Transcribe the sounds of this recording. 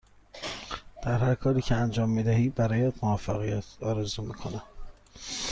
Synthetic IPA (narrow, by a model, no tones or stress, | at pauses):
d̪̥æɾhæɾkʰɒːɾiːcʰeænd͡ʒɒːmːiːd̪æɦiːbæɾɒːjæt̪movæfːæɣijæt̪ʰɒːɾezuːmiːkʰo̞næ